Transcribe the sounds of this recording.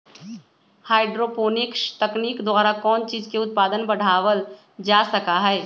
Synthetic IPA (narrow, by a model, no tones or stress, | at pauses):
haːɪɖɾoːpoːnɪkʃt̪ɐkniːkd̪waːɾakɔːnt͡ʃiːzkeʊt̪̚paːd̪ənbɐɽ̤aːʋəl | d͡ʒaːsɐkaɦɛː